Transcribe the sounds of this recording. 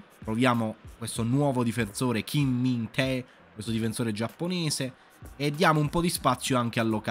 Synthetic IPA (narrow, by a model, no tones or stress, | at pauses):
t̪ɾovjaːmokwest̪onwɔːvod̪ifensoːɾek̟ʰimːint̪ʰɛ | kwest̪od̪ifensoːɾed͡ʒapːonɛːseː | d̪ːjaːmoumpɔd̪ispat̪sːjoaŋk̟ealːoka